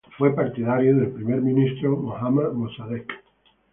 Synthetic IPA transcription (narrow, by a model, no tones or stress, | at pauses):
fwepaɾt̪iðaɾjoðelpɾimeɾmĩnist̪ɾomoxamaðmosaðek